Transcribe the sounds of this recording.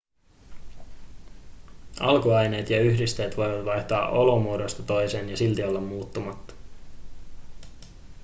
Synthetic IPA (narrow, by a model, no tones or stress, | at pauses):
ɑlkuɑjne̞ːt̪jɑyçdist̪e̞ːt̪ʋo̞jʋɑt̪ʋɑjht̪ɑːʔo̞lo̞muodo̞st̪ɑt̪o̞jse̞ːnjɑsilt̪iolːɑmːuːt̪ːumɑt̪ːɑ̥